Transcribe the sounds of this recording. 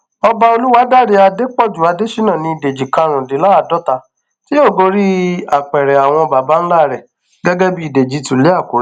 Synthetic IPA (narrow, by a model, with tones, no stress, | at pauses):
ɔ˧ba˧o˧lu˦wa˦da˦˨ɾe˧˦a˧de˦k͡pɔ˦˨d͡ʒu˨a˧de˦ʃi˦nã˦˨nĩ˧i˨de˨d͡ʒi˨kã˧ɾ̃ũ˨de˨˦la˦a˦˨dɔ˦ta˧ | ti˦o˦˨ɡo˧˦ɾi˦a˨k͡pɛ˨ɾɛ˨a˨w̃ɔ̃˧ba˨ba˨˦n̩˦la˦˨ɾɛ˨ | ɡɛ˦ɡɛ˦bi˧˦˨de˨d͡ʒi˨˦tũ˨le˦a˦˨ko˨˦ɾ